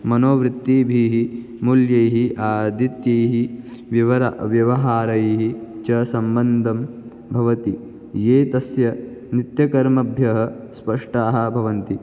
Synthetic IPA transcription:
mɐnoːʋɾɪt̪ːibʱiːɦi | muljɐjɦiʔaːd̪ʱit̪jɐjɦiʋjɐʋɐɾa̰ʋjɐʋɐɦaːɾɐjɦit͡ʃɐsɐmbɐnd̪ʱɐm | bʱɐʋɐt̪i | jeːt̪ɐsjɐ | nit̪jɐkɐɾmɐbʱjɐɦɐ̆ | spɐʂʈaːɦɐ̆bʱɐʋɐnt̪i

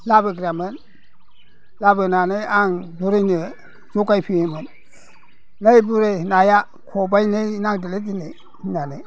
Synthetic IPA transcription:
labəɡɾamən | labənanajaŋbuɾeni | zokajpiemən | ajbuɾenaja | kʰobajnenaŋdilet̬ine | hinane

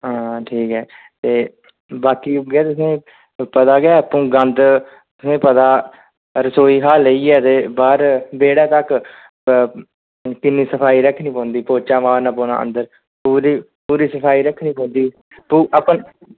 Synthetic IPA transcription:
ɦãːʈʰiːkɦɛː | t̪eː | baːkiːʊɡɛːt̪ʊsẽː | pət̪aːɡɛːəpũːɡənd̪ | t̪ʊsẽːpət̪aː | ɾəsoːiːɦaːləiːɛːt̪eːbaːɾbeːɽaːt̪ək | kɪnːiːsəpʰaːiːɾəkʰːnĩːpɔ̃ːnd̪iːpoːt͡ʃaːʋãːnəpoːna̰ːʔə̰̃nd̪əɾ | puːɾiː | puːɾiːsəpʰaːiːɾəkʰniːpɔ̃ːnd̪iː | puːʔəpən

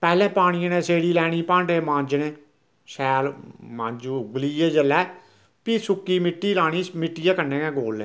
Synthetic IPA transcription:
pɛːlɛ̃ːpaːɽ̃iːãːnẽːseːɽiːlɛːɽ̃iːpãːɳɖeːmãːɲd͡ʒnẽː | sɛːlmãːɲd͡ʒuːɡəliːeːd͡ʒəlɛː | piːsʊkːiːmɪʈːiːlaːɽ̃iːmɪʈːijãːkənẽːkɛ̃ːɡoːlɛ̃ː

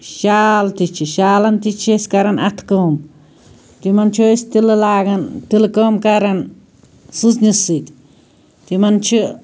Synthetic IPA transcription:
ʃalt̪it͡ʃiʃalant̪it͡ʃeskaɾanat̪kom | t̪imant͡ʃoist̪ilɨlaɡant̪ilkomkaɾan | sɨsnisɨt̪ʲ | t̪imant͡ʃi

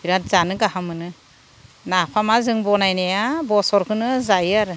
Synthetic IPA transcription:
biɾat̚zanɯɡaɦamɯnɯ | napʰamazɯŋbɔnajnejabɔsɔɾkʰɯnɯzajaɾ

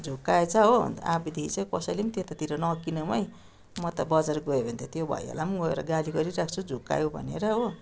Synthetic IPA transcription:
d͡zʱukːaet͡sʰʌɦoa̰bid̪ʱiit͡sajkʌsʌjlemit̪et̪at̪iɾʌnʌkinʌmʌj | mʌt̪ʌbʌd͡zarɡʌjebʱʌnt̪ʰet̪jobʱʌ̰jɦḛlamɡʌeɾʌ̰ɡaliɡʌɾiɾak̚ʰt͡sʰud͡zʱukːa̰jobʱʌ̰nḛɾʌɦo

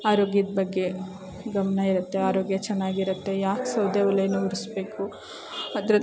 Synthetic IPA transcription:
aːɾoːɡjɐd̪ɐbɐɡːe̞ | ɡɐmɐnɐiɾut̪ːe̞aːɾoːɡjɐt͡ʃɛnːaːɡiɾɐt̪ːe̞jaːksɐwd̪eːɔlɐjɐnuuɾisbe̞ːku | ɐd̪ɾɐ

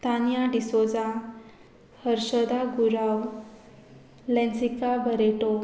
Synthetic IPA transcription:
t̪anjaɖisod͡za | həɾɕəd̪aɡuɾaw | lɛ̃nsikabəɾeʈo

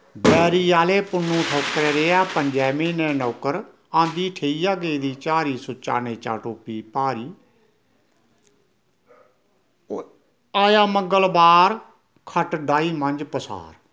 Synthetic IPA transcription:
bɛːɾiːaːleːpʊnũːʈʰoːkɾeːɾeːaːpəɲd͡ʒɛːmiːnẽːnoːkəɾ | ãːnd̪iːʈʰeːiːjaːɡeːd̪iːt͡ʃaːɾiːsʊt͡ʃa̰ːneːt͡ʃa̰ːʈoːpiːpaːɾiː | aːjaːməŋɡəlbaːɾ | kʰəʈɖaːiːmənd͡ʒpəsa̰ːɾ

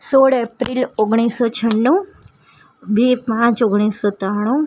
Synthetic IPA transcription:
soːɽepɾiloɡɽ̃isɔt͡ʃʰənːũ | bipãt͡ʃoɡɽ̃isɔt̪aɽ̃ũ

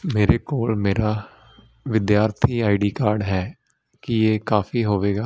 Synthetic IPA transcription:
meːɾeːkoːlmeːɾaː | ʋɪd̪jaːɾt̪ʰiːaːɪɖiːkaːɾɖɦɛː | kijeːkaːfiːɦoːʋeːɡaː

